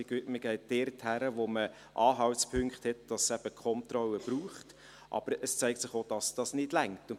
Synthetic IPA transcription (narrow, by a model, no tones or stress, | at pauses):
ɡ̥yətməɡ̥ɛɪt̚d̥ɛrthæɾəʋomə | ʔɑːɦɑwtspʰʏŋkχthɛtd̥ɑssæb̥əkʰχɔntrɔləb̥ɾuːχt | ʔɑ̰b̥əɾəst͡sæɪk̚tsɪχod̥ɑsd̥ɑsnɪd̥læŋtʊn